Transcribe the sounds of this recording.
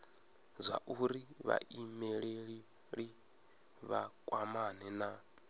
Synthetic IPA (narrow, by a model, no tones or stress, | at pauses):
zʷa̰ʔuɾiβa̰ʔimɛɺeɺi | ɺi | βa̰kʼwamanɛna